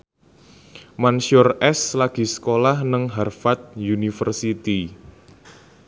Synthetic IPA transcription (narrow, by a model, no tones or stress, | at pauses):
mansjɔrɛslaɡ̥i̤sə̥kolahnəŋɦarfat̪̚junifərsit̪i